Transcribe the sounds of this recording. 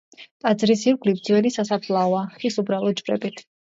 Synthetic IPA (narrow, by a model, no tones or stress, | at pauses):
t̪ʼad̪zɾisiɾɡlibd̪zvɛnisasapʰlˠaɔaχisubɾalˠɔd͡ʒvɾɛ̰bit̪ʰ